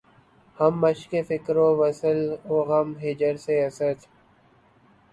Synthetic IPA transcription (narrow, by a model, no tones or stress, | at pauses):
hɐmːəʃkefɪkɾoʋəsəloːɣɐmɦɪd͡ʒəɾseɐsəɾt̪